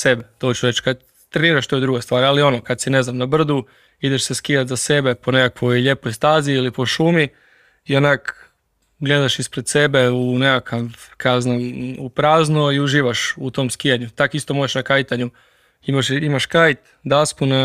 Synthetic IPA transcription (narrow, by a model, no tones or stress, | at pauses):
sebet̪o̞t͡ɕuɾe̞t͡ɕkad̪ | t̪ɾeniːɾaʃt̪oed̪ɾuɡest̪ʋaːɾalio̞nokad̪sine̞znamnabr̩d̪u | id̪eʃse̞skijat̪zase̞be̞po̞nekakʋoʎe̞pojst̪aːziilipo̞ʃuːmi | ionak | ɡle̞d̪aʃispɾed̪se̞be̞unekakʰakaznaupɾaːznoiuʒiːʋaʃut̪o̞mskijaɲut̪akist̪o̞moʒeʃnakajt̪aɲu | imaʃimaʃkajt̪ | d̪aspuna